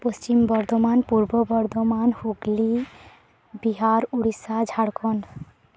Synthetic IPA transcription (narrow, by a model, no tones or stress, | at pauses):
pɔst͡ʃimbɔɾd̪ʱɔmanpuɾbɔbɔɾd̪ʱɔmanhuɡli | biɦaɾuɽisad͡ʒʱaɽkʰɔn